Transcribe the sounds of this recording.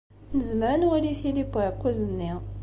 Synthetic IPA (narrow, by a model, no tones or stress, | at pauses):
nəzəmɾənwæliθilibakʷːæzənːi